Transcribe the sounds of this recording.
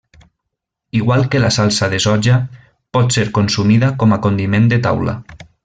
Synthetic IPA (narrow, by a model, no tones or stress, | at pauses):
iɣwalˠkelasalˠsaðezɔd͡ʒa | pɔt̪seɾkonsumiðakɔmakond̪imẽnd̪et̪a̰wla̰